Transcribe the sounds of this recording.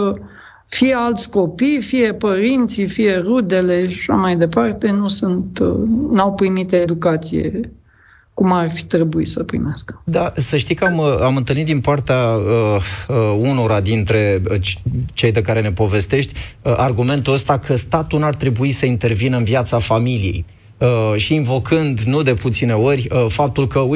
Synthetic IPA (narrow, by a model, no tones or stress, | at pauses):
fije̞alt̪sʲko̞pijfije̞pəɾint̪sifije̞rud̪e̞le̞ʃaʃa̰majd̪e̞part̪e̞nusunt̪nawpɾimit̪ed̪ukat̪sijḛ | kumarʲfi̥t̪ɾe̞buḭsəpɾḭmeaskə̥d̪asəʃt̪ikaməamɨnt̪ɨlnit̪̚d̪inpart̪eaəəuno̞ɾad̪int̪ɾe̞t͡ʃt͡ʃe̞jd̪e̞kaɾe̞ne̞po̞ve̞st̪e̞ʃt̪ʲəʔarɡume̞nt̪uəst̪akʰəst̪at̪unart̪ɾe̞buisəint̪e̞rvinəɨnvjat̪safamilije̞̰j | əʃiːɱvo̞kʰɨnd̪nud̪e̞put̪sine̞o̞rʲəfap̚t̪ulkəu